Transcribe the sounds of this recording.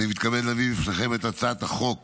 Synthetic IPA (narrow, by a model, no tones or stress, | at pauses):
nimit̪kabedlaviifnaχemet̪at͡sat̪aχo̞k